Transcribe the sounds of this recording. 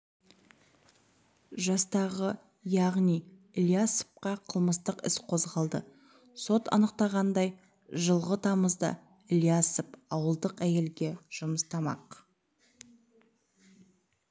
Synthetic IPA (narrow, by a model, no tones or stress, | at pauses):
ʒɑst̪ɑʁə | jɑʁnij | ɪlʲijasə̥p̚qɑqʰəlˠməst̪əqɪ̰sqʰo̞zʁɑlˠd̪ə̰ | so̞t̪ɑ̰nəqt̪ɑʁɑnd̪ɑj | ʒəlˠʁət̪ʰɑməzd̪ə̰ | ɪlʲijasəpɑwəlˠd̪əqæje̞lɡʲe̞ʒ̥ʊməst̪ɑmɑ̰q